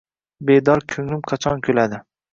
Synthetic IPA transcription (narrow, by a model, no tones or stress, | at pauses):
bed̪ɒɾkʲʰɵŋlɪmqʰɑt͡ʃʰɒnkʲʰɵlad̪ɪ